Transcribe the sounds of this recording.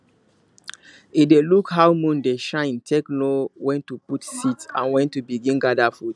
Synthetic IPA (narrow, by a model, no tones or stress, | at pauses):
idelukhawmũndeʃãɪ̃ntʰeklowɛ̃ntːuputsitsã̰nwɛ̃ntːubiɡĩnɡadafud